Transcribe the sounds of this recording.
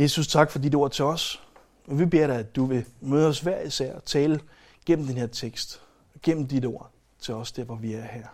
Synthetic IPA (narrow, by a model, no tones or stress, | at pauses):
je̝ːsust͡sʰɑ̈ɡ̥fɒ̽did̥əo̝ɐ̰t͡sʰe̝ɒ̽s | ɒʋib̥e̝ɐɾɑ̈ɪæd̥uʋe̝møːð̞ˠɒ̽sʋæɐ̰isæɐ̰ɒt͡sʰɛːlə | ɡ̥en̰m̩d̥enheɐ̰t͡sʰeɡ̥sd̥ | ɡ̥en̰m̩d̥id̥o̝ɐ̰ | t͡sʰe̝ɒ̽sd̥eɐ̰ʋɒʋiæɐhæɐ̰